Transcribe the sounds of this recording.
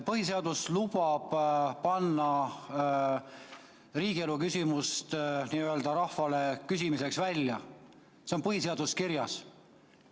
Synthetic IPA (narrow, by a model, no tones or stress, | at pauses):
pɤhise̞ɑd̪̥uslub̥ɑb̥pɑnːɑ | riːɡ̥ie̞lukysʲimust̪niːøld̪̥ɑɾɑhfɑle̞kysʲimise̞ksvælʲjɑ | seo̞npɤɦise̞ɑd̪̥uskiɾjɑs